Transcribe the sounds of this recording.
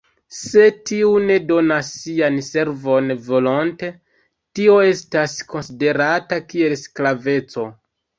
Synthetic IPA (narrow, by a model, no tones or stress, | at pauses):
se̞tiune̞do̞nasːianse̞ɾvo̞nvo̞lonte̞ | tio̞e̞stasko̞nside̞ɾatakie̞lsklave̞t͡so̞